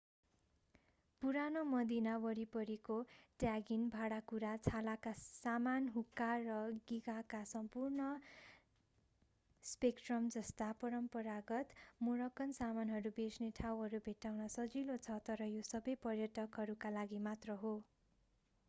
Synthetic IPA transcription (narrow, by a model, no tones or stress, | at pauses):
puɾanomʌd̪inawʌɾipʌɾikoʈjaɡinbʱaɽakuɾat͡sʰalakasamanɦukːarʌɡiɡakasʌmpurnʌ | spekʈrʌmd͡zʌst̪apʌɾʌmpʌɾaɡʌt̪moɾʌkːʌnsamanɦʌɾubesneʈʰawɦʌɾubʱeʈawnʌsʌd͡zilot͡sʰʌt̪ʌɾʌjosʌbʌjpʌrjʌʈʰʌkɦʌɾukalaɡimat̪rʌɦo